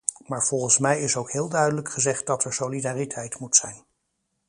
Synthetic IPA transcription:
maːɹv̥ɔlˠχənsmɛjɪsowkɦɪːlˠdœɥdələkχəzɛχt̚dɑtɛɹsolidaːritʰɛjtmutsɛjn

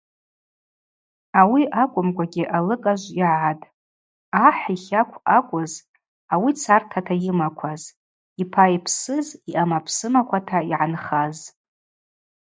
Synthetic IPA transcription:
awiʔakʷʼʊmkʷʼaɡʲiʔalɨkʼaʒʷiʕatʼ | aħʷiχʲakʷʰakʷʼʊz | awit͡sʰartʰatʰajɪmakʷʰaz | ipʰaipʰsɨziʔamapʰsɨmakʷʰatʰaiʕanχaz

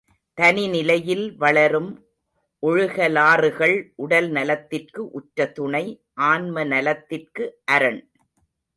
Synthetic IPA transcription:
t̪ɐnɪnɪlɐjɪlʋɐɭɐɾɯm | ʔɔɻɯɣɐlaːrɯɣɐɭʔʊɽɐlnɐlɐt̪ːɪrkɯʔʊʈɾɐt̪ːʊɳɐɪ | ʔaːnmɐnɐlɐt̪ːɪrkɯʔɐɾɐɳ

